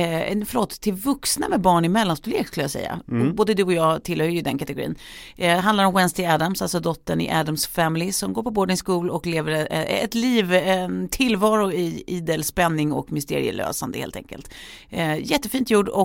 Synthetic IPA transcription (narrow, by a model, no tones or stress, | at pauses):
ɛfœloːt̪ʰːɪlvɵksna̰mɛbɑːɳɪmɛlːanst̪ɵlḛːkskɵləjasɛ̰jːa̰ɔboːd̪əd̪ɵɔjɑːt̪ʰɪlhœɾəjɵd̪ɛnkʰat̪ɛɡʊɾḭːnɦand̪aɾɔmwɛnst̪ɪæːd̪amsalsɔd̪ɔt̪ːəɳɪ̰ʔæd̪amsfæmɪlɪsɔmɡoːɾpʰɔboːd̪ənskuːlɔkleːvəɾɛ̰t̪liːvt̪ʰɪlvɑːɾʊɪiːd̪əlspɛnːɪŋɔ̰kmʏst̪ḛːɾɪ̰ə̰lø̰ːsand̪ə̰hḛːlt̪ɛ̰ŋkə̰lt̪ | jɛt̪ːəfiːnt̪juːɖɔ